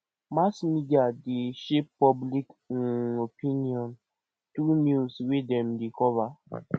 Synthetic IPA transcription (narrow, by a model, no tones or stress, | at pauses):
masmidiadeʃeppɔblikopĩniɔ̃n | tɾunjuswedɛ̃mdekɔva